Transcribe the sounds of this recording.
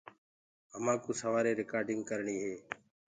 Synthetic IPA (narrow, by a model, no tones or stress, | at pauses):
əmãːkuːsəʋaːɾeːɾɪkaːɾɖɪŋɡ̚kəɾɳiːɦeː